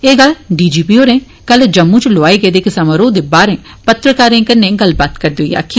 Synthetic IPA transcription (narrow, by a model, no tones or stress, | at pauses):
eːɡəlɖiːd͡ʒiːpiːɦoːɾẽː | kəld͡ʒəmːũːt͡ʃloaːeːɡeːd̪eːkɪsaːmaɾoːd̪eːbaːɾẽː | pət̪ɾəkaːɾẽːkəɾnẽːɡəlbaːt̪kəɾd̪oḭja̰ːkʰi